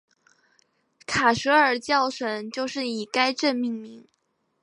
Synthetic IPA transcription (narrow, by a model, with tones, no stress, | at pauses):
kʰa˨˩ʂɤ˧˥ə˞˨˩t͡ɕjɑ˥˩ʊʂə˨˩ŋt͡ɕjo˥˧ʊʂɻ̩˥˩i˨˩ka˥ɪʈ͡ʂə˥˧nmi˥˩ŋmi˧˥ŋ